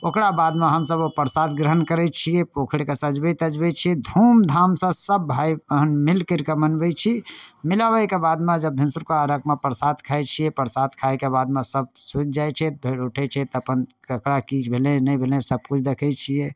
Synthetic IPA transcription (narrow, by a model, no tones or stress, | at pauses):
okɽabad̪meɦəmsəbopəɾsad̪ɡɾəɦənkəɾɛt͡ʃʰiepokʰɽekesəd͡ʒbɛt̪əd͡ʒbɛt͡ʃʰid̪ʱumd̪ʱamsə̃səbːʱajəɦənmilkəɾkemənbɛt͡ʃʰimilaʋəkebad̪med͡ʒəbːɪnsuɾkaəɾəkmepəɾsad̪kʰajt͡ʃʰiepəɾsat̪̚kʰajkebad̪mesəb̚sut̪̚d͡ʒajt͡ʃʰɛt̪̚bʱeɽuʈʰɛt͡ʃʰɛt̪əpən | əkɽakit͡ʃʰbʱelẽnɛjbʱelẽsəb̚kut͡ʃʰd̪ekʰɛt͡ʃʰie